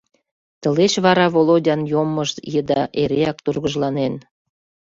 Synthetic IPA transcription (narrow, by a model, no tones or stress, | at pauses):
t̪ə̆leɕβɑɾɑvolodʲɑnjomːəʃt̪jəd̪ɑʔeɾeɑk̚t̪urɣəʒlɑnen